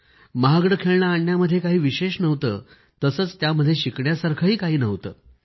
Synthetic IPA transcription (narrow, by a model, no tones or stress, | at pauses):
maɦaɡɽəkʰeɭɳaːɳːjaməd̪ʱːjekaɦiːʋiɕeɕnəʋt̪ə̰ː | t̪əsəːt͡st̪jaməd̪ʱːjeɕikɳjasaɾkʰəɦiːkaɦiːnəʋt̪ə̰ː